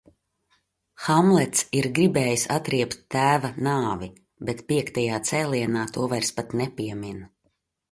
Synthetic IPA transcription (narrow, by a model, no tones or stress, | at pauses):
xamlˠɛt̪siɾɡɾibɛːjisat̪ɾiɛpt̪ːæːvanaːvi | bɛt̪piɛkt̪ajaːt̪sɛːlˠiɛnaːt̪uɔvajɾspat̪nɛpʲiɛmin